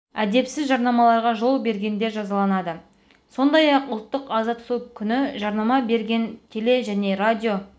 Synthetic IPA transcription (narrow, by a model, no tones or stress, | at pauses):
æd̪e̞psɪzʒɑɾnɑmɑlˠɑɾʁɑʒo̞lˠbe̞ɾɡʲe̞nd̪e̞ʒɑzɑlˠɑnɑd̪ə | so̞nd̪ɑjɑqʊlˠt̪ːəqɑzɑt̪sukʲʰʏnɪʒɑɾnɑmɑbe̞ɾɡʲe̞nt̪ʰe̞le̞ʒæne̞ɾad̪ʲijo̞